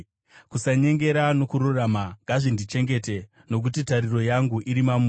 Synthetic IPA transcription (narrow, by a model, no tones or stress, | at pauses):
kusaɲe̞ŋɡe̞ɾano̞kuɾuramaŋɡʱaʐindit͡ʃe̞ŋɡe̞te | no̞k̬utitaɾiro̞jaŋɡuʔiɾimamu